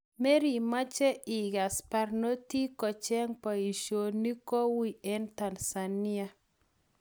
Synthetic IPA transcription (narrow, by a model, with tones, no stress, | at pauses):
me˦ɾi˨ma˦t͡ʃɛ˦i˨ɡa˨spa˦rno˦ti˦kɔ˨t͡ʃɛ˦ŋpa˨i˨ʃo˨ni˦ko˦wi˦ɛ˦nta˨nsa˨ni˦a˦